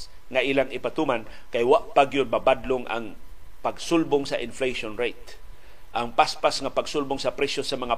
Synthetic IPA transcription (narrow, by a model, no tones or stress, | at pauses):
ŋaʔilaŋɪpat̪uman | kajwaʔpaɡjʊn̚babad̪loŋʔa̰ŋpaɡsʊlbʊŋsaʔɪnflejʃonɹejt̪̚ | ʔaŋpaspasŋapaɡsʊlbʊŋsɐpɾɛsjosamɐŋa